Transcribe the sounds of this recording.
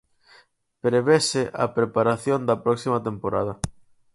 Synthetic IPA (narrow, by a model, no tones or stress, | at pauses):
pɾeβesɪʔɐ̰pɾepaɾaθjond̪ɐpɾɔksimɐt̪empoɾa̰ð̞ɐ